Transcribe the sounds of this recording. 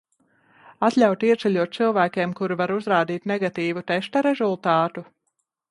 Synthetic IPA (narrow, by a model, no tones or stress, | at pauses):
at̪lʲawt̪iɛsɛlʲuɔt̪̚sɨlˠvæːkʲeːmkuɾuvaɾuzɾaːd̪iːt̪nɛɡat̪iːvut̪ɛʃt̪aɾɛzulˠt̪aːt̪u